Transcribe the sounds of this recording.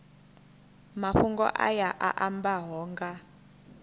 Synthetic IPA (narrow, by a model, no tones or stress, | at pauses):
maɸuŋɡɔ̰ʔa̰jaʔa̰ʔambaɦɔːŋɡa